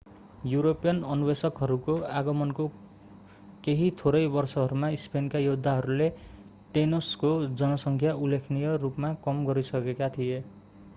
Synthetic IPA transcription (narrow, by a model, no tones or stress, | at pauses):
juɾopijʌnʌnubesʌkɦʌɾukoaɡʌmʌnko | keɦit̪ʰoɾʌjbʌrsʌɦʌɾumaispenkajod̪ʱːaɦʌɾule | ʈenoskod͡zʌnʌsʌŋkʰjaulːekʰnijʌrupmakʌmɡʌɾisʌkekat̪ʰije